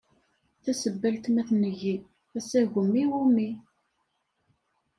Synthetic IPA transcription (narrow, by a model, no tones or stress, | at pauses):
θæsəbːælt̪mæθnəʝi | æsæʝəmːiwumi